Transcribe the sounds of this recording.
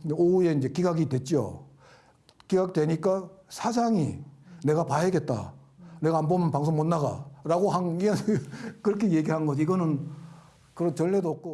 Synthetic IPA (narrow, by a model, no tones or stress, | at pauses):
oue̞ind͡ʑe̞kiɡaɡidwe̞t̚t͡ɕ͈o̰ | kiɡaɡ̚twe̞ɲik͈asʰad͡ʑaŋine̞ɡapaɦeɡe̞t̚t͈a̰ | ne̞ɡaːnbomnpaŋsʰoŋmonːaɡa̰ɾaɡohaŋiʌnkɯɾʌkʰeje̞ɡiɦannɡʌd͡ʑiɡʌnɯn | kɯɾʌnt͡ɕʌɭːedoʌk͈o